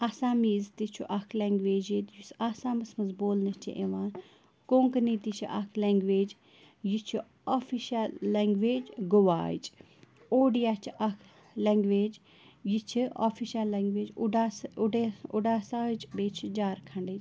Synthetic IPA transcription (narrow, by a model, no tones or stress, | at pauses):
aːsaːmiːzt̪it͡ʃʰuʔɐkʰleːŋɡʋeːd͡ʒit̪jusaːsaːmɐsmɐzboːlnɐt͡ʃʰḭʔeʋãːn | kõːŋknit̪it͡ʃʰiʔɐ̰kʰleːŋɡʋeːd͡ʒ | jit͡ʃʰu | afʰiʃalːeːŋɡʋeːd͡ʒɡoʋa̰ːd͡ʒ | oːɖijat͡ʃʰʔɐkʰ | leŋɡʋeːd͡ʒ | jit͡ʃʰia̰fʰiʃalːeːŋɡʋeːd͡ʒɖaːsʊɖeʊɖaːsaːt͡ʃbeːt͡ʃʰid͡ʒaːɾkʰɐɳɖet͡ʃ